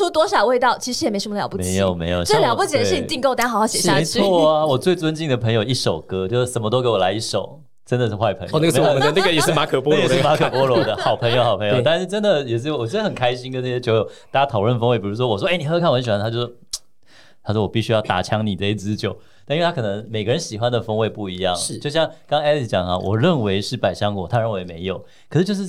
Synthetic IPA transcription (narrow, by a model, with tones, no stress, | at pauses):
u˥t̪wɔ˥ʂɑ˨˩ʊwe˥˧ɪt̪ɑ˥˩ʊt͡ɕʰi˧˥ʂ̩˧˥jɛ˨˩m˧˥ɪʂə˧mə˧lj̰ʊpu˥m˦ɪjo˨˩ʊmḛ˧˥ɪjə˥˩ljpu˥˩t͡ɕʰi˨˩d̪ə˩ʂ̩˥˩i˨t͡ɕ̪i˥˧ŋko˥˩ʊt̪a˥xxɑ˥˩ɕɛ˨˩˥e˧˥ɪt͡sʰwɔ˥˩a˨wɔ˨˩t͡swe˥˩ɪt͡swə˥nt͡ɕi˥˩ŋd̪ə˩pʰə˧˥ŋjo˨˩ʊi˥˩ʂo˨˩ʊkɤ˦˥t͡ɕjo˥˧ʂ̩˥˩ʂə˨˩nmə˦t̪o˥ʊke˧˥wɔ˨˩la̰˧˦ɪi˥˩ʂo˨˩˦ʊ | ʈ͡ʂə˦nd̪ə˨ʂ̩˥˧xwa˥˩ɪpʰə˧˦ŋ̰˨˧na˥˧me˥˨˩ə˧na˥˩ɡə˩jɛ˨˩ʂ̩˥˩ma˧˥kʰə˨˩pwɔ˦lɻ̩˥˧ma˧˥kʰə˨˧˩pwɔ˥lwɔ˧˥˦d̪ə˧xɑ˨˩ʊpʰə˧˥ŋjo˧˦xɑ˨˩ʊpʰə˧˦jo˨ʊ˧t̪a˥˧nʂ̩˥˩ʈ͡ʂə˦˥nd̪ə˨jɛ˨˩ʂ̬ɻ̩˥˩wɔ˨˩t͡ɕɛ˧˥d̪ə˧˩ə˨˩nkʰa˥ɪɕi˥nkə˥˦nə˥˩e˥t͡ɕʰjo˧˥ʊjo˨˩ʊt̪a˥˩t͡ɕja˥t̪ʰɑ˨˩ʊlwə˥˩nfə˥ŋwe˥˩ɪpi˨˩u˧˥ʂ̬wɔ˥wɔ˨˩ʂwɔ˥e˥˩ni˨˩xɤ˥˧kʰn˧˦nɕɛ˨˩˨nʰ˧a˥jʊʂo˥ | t̪ʰa˥ʂwɔ˥˩wɔ˨pi˥˩ɕy˥jɑ˥˩ʊt̪a̰˨˩t͡ɕʰjɑ˥ŋni˨˩ʈ͡ʂɤ˥˧i˥t͡sɹ̩˥˦t͡ɕjo˨˩ʊ | t̪a˥˧i˥we˧tʰa˥ɤ˨˩nə˧˦ŋme˨˩ɪɡə˦ɻə˧˦nɕi˨˩xwa˦nd̪ə˨fɤ˥ŋwe˥˧ɪpu˥˩i˧˥jɑ̰˥˩ŋ̩˥˩jo˥˧ʊɕjɑ˥˩ŋkɑ˥ŋɛ˥li˥˩t͡ɕjɑ˨˩ŋha˦wʔɔ̰˨˩ɻə˥˩nwe˧˥ɪʂɻ̩˥˩pa˨˩ɪɕɑ˥ŋkwɔ̰˨˩t̪ʰa˥ɻə˥˩nwe˧˥ɪme˧˥ɪjo˨˩˦ʊ | kʰə˨˩ʂɻ̩˥˩t͡ɕjʂ̩˥˩